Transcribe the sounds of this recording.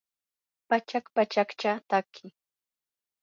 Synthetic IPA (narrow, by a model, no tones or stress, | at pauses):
pat͡ʃakpat͡ʃakt͡ʃat̪akʰɪ